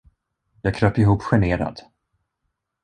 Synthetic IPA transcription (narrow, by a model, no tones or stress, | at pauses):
jɑːɡkʰɾœːpɪɦuːpɧɛɳeːɾa̰d̪̥